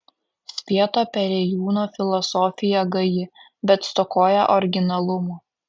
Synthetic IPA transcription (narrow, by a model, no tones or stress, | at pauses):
sʲpʲiɛt̪oːpʲɛɾʲɛjuːnoːfʲɪlˠɔsɔːfʲɪjɛɡɐjɪ | bʲɛt̪st̪ɔkoːjɛ̰ʔɔɾʲɡʲɪnɐlˠʊmo